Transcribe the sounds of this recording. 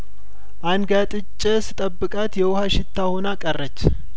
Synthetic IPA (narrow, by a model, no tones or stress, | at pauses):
ʔanɡat̪ʼɨt͡ʃʼːəsɨt̪ʼəbːɨkʼat̪jɛwʊhaʃɪt̪ʰːahonakʼərːət͡ʃː